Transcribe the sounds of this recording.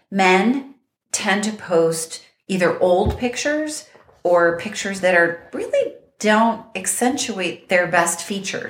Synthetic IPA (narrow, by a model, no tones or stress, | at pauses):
mɛ̃n | tʰɛ̃ntɨpʰoʊst | iðə˞ʔoʊlˠd̚pʰɪk̚t͡ʃə˞z | ə˞pʰɪk̚t͡ʃə˞zðɨɾə˞ɹɪlˠi | d̥õʊ̃ntɨksɛ̃nt͡ʃueɪt̪̚ðə˞bɛstfit͡ʃə̰˞